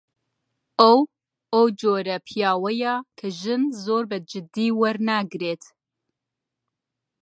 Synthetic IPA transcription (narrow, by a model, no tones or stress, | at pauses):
ʔɐw | ɐwd͡ʒoːɾɐpʰijaːwɐjakʰɐʒɨnzoːɾbɐd͡ʒɨd̪iːwɐɾnaːɡɾeːt̪